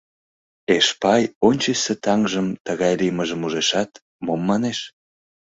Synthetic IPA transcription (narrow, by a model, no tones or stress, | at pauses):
eʃpɑjonʲt͡ɕeset̪ɑŋʒəmt̪əɣɑjliməʒəmuʒeʃɑt̪ | momːɑneʃ